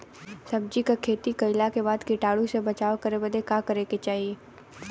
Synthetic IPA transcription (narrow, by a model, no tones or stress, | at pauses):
sɐb̚d͡ʒikakʰeːt̪ikɐɪlakebaːd̪kɪʈaːɽũsebɐt͡ʃaːokɐɾebɐd̪ekakɐɾeːket͡ʃaːɦie